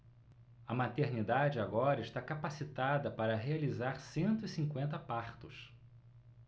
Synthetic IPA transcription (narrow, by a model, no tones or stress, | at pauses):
ɐmat̪eɾnid̪ad͡ʒɪaɡɔɾɐɪʃt̪akapasit̪ad̪ɐpaɾɐɦealizaɾsẽnt̪ʊisĩŋkwẽnt̪ɐpaɾt̪ʊs